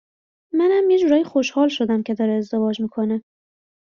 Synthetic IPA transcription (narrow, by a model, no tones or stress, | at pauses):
mænhæmjed͡ʒuːɾɒːjexo̞ʃhɒːlʃo̞d̪æmcʲʰe̞d̪ɒːɾeːzd̪e̞vɒːd͡ʒmiːkʰo̞ne